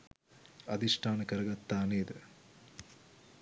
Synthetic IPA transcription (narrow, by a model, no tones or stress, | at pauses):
ɐd̪iʂʈʰaːnɐkɐɾɐɡɐt̪ːaːneːd̪ɨ